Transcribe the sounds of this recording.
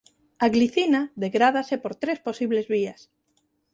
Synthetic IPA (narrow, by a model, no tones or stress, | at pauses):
aɣliθinaðeɣɾað̞asepoɾt̪ɾesposiβlezβias